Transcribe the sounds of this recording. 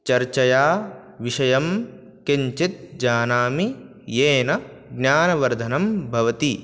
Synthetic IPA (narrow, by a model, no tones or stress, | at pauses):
t͡ʃɐɾt͡ʃɐjaː | ʋiʃɐjɐm | keɲt͡ʃit̪̚d͡ʒaːnaːmi | jeːnɐ | ɡnjaːnɐʋɐɾd̪ʱɐnɐmbʱɐʋɐt̪i